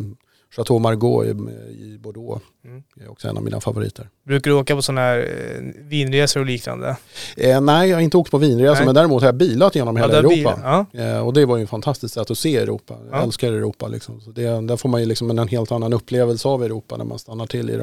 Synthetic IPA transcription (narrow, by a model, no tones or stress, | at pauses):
ʂat̪ʰoːmaɾɡo̰ːɪ̰ɪbɔɖoː | ɛɔ̰ksɔɛ̰na̰vmḭːnafavʊɾḭːt̪ʰəɾbɾʉ̟ːkaɖoːkapʰɔsɔnhæːɾviːnɾeːsʊɾɔliːkna̰nd̪ə̰nɛɪjɑhaɾɪnt̪əoːkt̪̚pʰɔviːnɾeːsəmɛnd̪æːɾɪmuːt̪hajabiːlat̪jeːnɔmheːlaɾuːpːa̰ɔd̪ɛvajʏəɛnfant̪ʰast̪ɪskt̪sɛt̪ːɔseːɛɾṵːpːa̰jaɛlskaɾɛɾuːpːalʔɪ̰ksɔmsɔd̪ɛd̪æɾfoːɾmanjɵlɪksɔmɛnɛnɦeːlt̪anːanɵpʰːleːvəlsəavɛɾuːpːa̰nʔæ̰ɾma̰nst̪anːaʈʰɪlːɪ̰